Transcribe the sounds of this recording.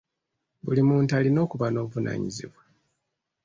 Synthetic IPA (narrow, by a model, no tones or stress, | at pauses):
bulimuːntaːlino̞ːkuβano̞ːβuvuna̰ːɲizḭβwa